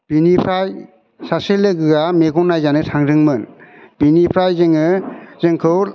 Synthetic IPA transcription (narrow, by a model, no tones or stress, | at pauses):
b̥inipʰɾaj | saselɯɡɯɡameɡɔnːajzanɯtʰaŋɾɯŋmɯnbinipʰɾajzɯŋɯzɯŋkʰɯw